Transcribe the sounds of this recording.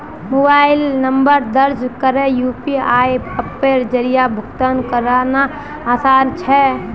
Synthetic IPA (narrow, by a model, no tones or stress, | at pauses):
mobaɪlnəmbəɾd̪əɾd͡ʒkəɾejupiaːipəpːeɾd͡ʒəɾijabʱʊkt̪ənkəɾanaː | saːɾt͡ʃʰɛ